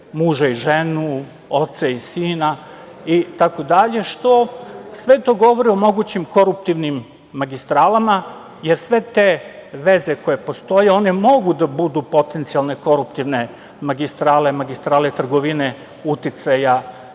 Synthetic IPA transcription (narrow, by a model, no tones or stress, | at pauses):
muːʒaiʒenu | ot̪saisiːnait̪akod̪aʎe̞ʃt̪o̞sʋe̞t̪o̞ɡo̞ʋoɾio̞mo̞ɡut͡ɕimko̞ɾup̚t̪iʋnimː | aɡist̪ɾaːlama | je̞ɾsʋe̞t̪e̞ʋe̞zeko̞je̞po̞st̪o̞jeo̞ne̞mo̞ɡud̪abud̪upo̞t̪ent̪sijalˠne̞ko̞ɾup̚t̪iʋne̞ | maɡist̪ɾaːle̞maɡist̪ɾaːlet̪r̩ɡoʋine | ut̪it̪saja